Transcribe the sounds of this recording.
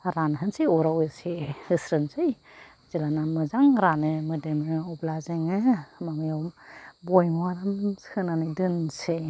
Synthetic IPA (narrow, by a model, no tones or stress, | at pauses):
ɾanɦɯnsiɔɾawesehɯsɾɯnsɯj | zilanamɯzaŋɾanɯmɯdemɯɔblazeŋɯmaŋɯjawbɔjmwaɾamshɯnanɯdɯnse